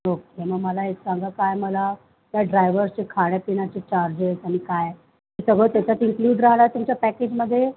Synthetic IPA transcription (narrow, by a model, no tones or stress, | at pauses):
nok̚ɦeməɡməlaeksãŋɡakajməla | t̪jaɖɾajʋəɾst͡ɕekʰaɽjapiɳ̃at͡ɕet͡ɕaɾd͡ʑesaɽ̃ikaj | isəɡɭət̪jat͡ɕat̪iŋkluːɖɾaɦɽ̃aɾt̪umt͡ɕapæked͡ʑməd̪ʱːje